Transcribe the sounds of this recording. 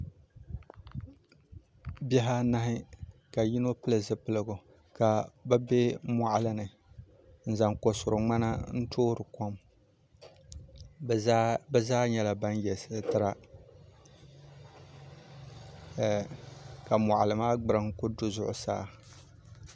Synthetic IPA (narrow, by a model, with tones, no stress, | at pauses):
bɛ˦ɦa˦na˦ɦɪ˦ka˨ji˦no˦pɨ˦lɨ˨zɨ˦pɨ˦lɨ˦ɡʊ˨ | ka˨ba˦bɛ˦ma˨ʔa˨lɨ˦nɨ˨ | n̩˨za˨ŋko˨sʊ˨ɾʊ˨ŋ͡ma˦na̰˦n̩˦tʰoː˦ɾɨ˨ko˦m | bɛ˦zaː˦ɲɛ˦la˨ba˦njɛ˨sɨ˦˨tɨ˦ɾa˦ | ka˨ma˨ʔa˨lɨ˨maː˦ɡ͡bɨ˦ɾɨ˨ŋ˦kʊ˦dʊ˦zʊ˦ʔʊ̰˨sa̰ː˦